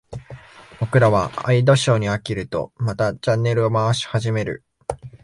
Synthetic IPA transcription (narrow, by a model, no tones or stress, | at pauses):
bo̞kɯ̟ɾaβ̞aa̰id̪o̞ɕo̞ːɲ̟iakʲiɾɯ̟t̪o̞̰mat̪at͡ɕãnːe̞ɾɯ̟o̞maβaɕi̥haʑime̞ɾɯ̟̰